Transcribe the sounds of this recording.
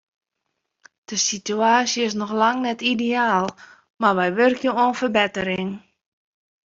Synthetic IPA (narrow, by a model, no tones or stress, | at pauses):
d̥əsityaːsjəɪs̬nɔxlaŋnɛtideaːlˠ | marʋɛjʋørkjəonfərbɛtəɾɪŋ